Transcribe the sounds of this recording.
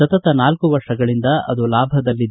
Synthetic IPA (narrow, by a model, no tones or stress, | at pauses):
ɐt̪ɐt̪ɐnaːlkuʋɐɾʂɐɡɐɭind̪ɐɐ̰d̪olaːbʱɐd̪ɐlːid̪